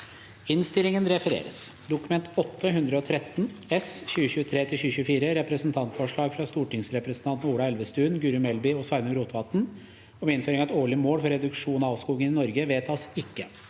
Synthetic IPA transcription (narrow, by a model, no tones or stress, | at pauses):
ɪnst̪ɪlɪŋənɾɛfəɾḛːɾə̰sd̪ʊkʉmɛnt̪ɔt̪ːəɦʉnd̪ɾəɔt̪ʰɾɛt̪ːnɛsçʉːəçʉːət̪ʰɾeːt̪ʰɪlɕʉːəçʉːfiːɾəɾɛpɾəsn̩t̪ʰɑnt̪fɔʂɭɑːɡfɾɑst̪uːʈɪŋsɾɛpɾəsnt̪ʰɑnt̪n̩uːɽɑɛlʋəst̪ʉːnɡʉɾʉmɛlbɪɔsɑɪnəɡɾuːt̪ʰʋɑt̪n̩ | ɔmɛɪnføːɾɪŋɑɛt̪oːɭɪəmoːlfɔɾɛd̪ʉkʂuːnɑɑːʋskuːɡənɪnɔɾɡəʋeːt̪ʰɑːsɪkːə